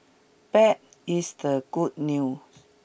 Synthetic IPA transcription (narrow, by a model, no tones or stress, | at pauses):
pɛt̚ | isdəɡud̚nju